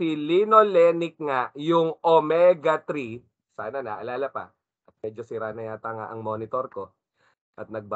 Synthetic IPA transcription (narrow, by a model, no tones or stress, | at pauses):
ilinolɛnɪk̚ŋajʊŋʔomɛɡɐt̪ɾi | saːnɐnɐʔɐlaːlɐpɐ̰ | ʔɐt̪̚mɛːd͡ʒosɪɾanɐjaːt̪ɐŋa̰ʔɐŋmo̞ːnɪt̪oɾko̞ | ʔɐt̪̚nɐɡ̚ba